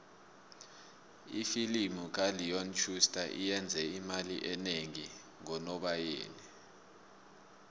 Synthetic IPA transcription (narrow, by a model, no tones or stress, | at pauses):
ifilimuk̬alijɔnt͡ʃʰustʰʼaʔijɛnd͡zʱɛimalḭʔɛneŋi | ŋɔnɔɓajḛːni